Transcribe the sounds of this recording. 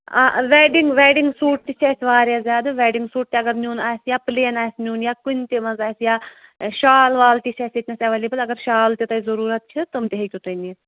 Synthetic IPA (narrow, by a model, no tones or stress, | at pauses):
aʋɛːɖiŋɡʋɛːɖiŋɡsuːʈ̚t̪it͡ʃʰɐːsʲʋaːɾjaːzʲaːd̪ɨʋɛːɖiŋɡsuːʈ̚t̪iɐɡɐɾnʲjuːnaːsjaːpleːnaːsnʲjuːnjaːkunʲt̪ʲeʋɐnzaːsjaːʃaːlʋaːlt̪ʲit͡ʃʰɐːsʲit̪ʲnɐsʲɐʋɐliːbpɐlʲɐɡɐɾʃaːlt̪it̪ɐizɐɾuːɾɐt̪̚t͡ʃʰɨt̪ɐmt̪eɦik̪ʲut̪ɐjniːs